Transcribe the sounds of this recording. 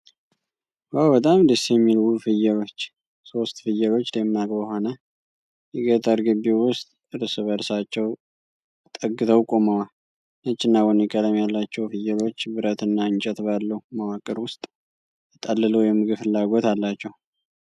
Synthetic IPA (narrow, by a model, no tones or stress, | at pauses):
wawbət̪ʼamd̪ɨsjɛmːilwufɨjːɛlo̞t͡ʃː | so̞st̪fɨjːəlo̞t͡ʃːd̪emːakʼbəho̞nə | jɛɡət̪ʰʼəɾɡɨbːiwʊst̪ʼ | ɨɾɨsɨβəɾsat͡ʃːɛw | t̪ʼəɡɨt̪ʰəwkʼomawa | nət͡ʃʼːɪnːawɔnikʼəd̪əmjalːat͡ʃːɛwfɨjːɛlo̞t͡ʃːbɨɾət̪ɨnːaɨnt͡ʃʼɛt̪balːəwumawakʼːɨɾwʊst̪ʼ | t̪ʼəlːɨləwjɛmːɨɡɨfɨlːaɡo̞t̪alːat͡ʃːɛw